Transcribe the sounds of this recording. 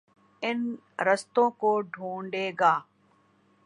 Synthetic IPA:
ɪn | ɾəst̪õːkoːɖʱuːɳɖeːɡaː

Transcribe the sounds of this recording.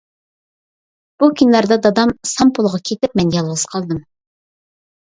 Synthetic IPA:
b̥ukʲʰynlæɾd̪ɛd̪ɑd̪ɑmsɑmpʰolˠʁɑkʲʰet̪ɪp̚mɛnjɑlˠwɨzqʰɑlˠd̪ɨm

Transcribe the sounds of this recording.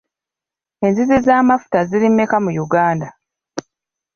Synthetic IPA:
e̞nzizizaːmafu̥taziɾimekamujuɡaːnda

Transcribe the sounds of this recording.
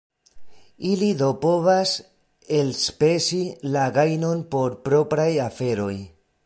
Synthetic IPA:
ilido̞po̞vas | elspesilaɡajno̞npo̞ɾpɾo̞pɾajafe̞ɾo̞j

